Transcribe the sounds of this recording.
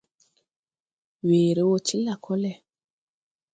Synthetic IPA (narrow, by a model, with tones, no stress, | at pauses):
weː˨ɾe˦wo˦t͡ʃi˦la˨kʰɔ˦lɛ˨